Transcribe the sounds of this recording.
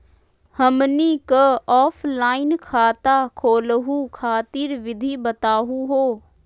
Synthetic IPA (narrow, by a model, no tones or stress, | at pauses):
həmniːkəɔːpʰlaːɪnkʰaːt̪aːkʰoːlɦũːkʰaːt̪iɾʋɪd̪ʱiːbət̪aːɦũɦoː